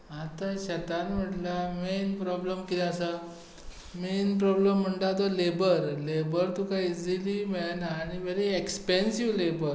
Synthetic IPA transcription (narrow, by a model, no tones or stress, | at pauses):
at̪aɕət̪anm̤əʈlamenpɾɔbləmkid̪asa | menpɾɔbləm̤ːəɳʈ̪at̪̬olebəɾlebəɾt̪ukaid͡zilimeɭnaːɽ̃iʋeɾeekspẽnsiʋlebəɾ